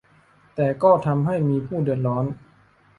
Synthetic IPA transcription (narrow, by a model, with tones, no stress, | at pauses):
t̪ɛː˨˩kɔː˥˩t̪ʰa˧mɦa˥˩jmiː˧pʰuː˥˩dɯ˨˩ət̪̚lɔː˩˦˥n